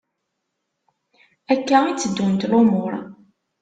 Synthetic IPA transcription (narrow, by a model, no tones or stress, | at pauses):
ækːæit͡sːəd̪ːunt̪lomʊɾˤ